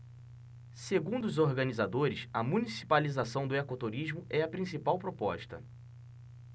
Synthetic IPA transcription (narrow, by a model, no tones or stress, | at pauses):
seɡũnd̪ʊːzoɾɡɐ̃nizad̪oɾɪsɐmũnisi̥palizasɐ̃w̃d̪ʊekot̪uɾiʒmʊɛɐpɾĩsipawpɾopɔ̰ʃt̪ɐ̰